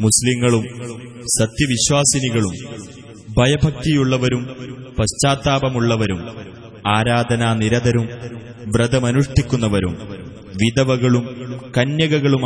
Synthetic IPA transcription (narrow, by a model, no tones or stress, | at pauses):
musliŋːɐɭum | sɐt̪jɐʋiɕwaːsɐniɣɐɭum | bʱɐjɐbʱɐk̚t̪ijuɭːɐʋɐɾumpɐɕt͡ɕaːt̪ːaːbɐmuɭːɐʋɐɾum | aːɾaːd̪ʱɐnaːniɾɐd̪ɐɾum | ʋrɐd̪ɐmɐnuʂʈikʲːunːɐʋɐɾṵm | ʋid̪ɐʋɐɣɐɭumkɐnjɐɣɐɣɐɭum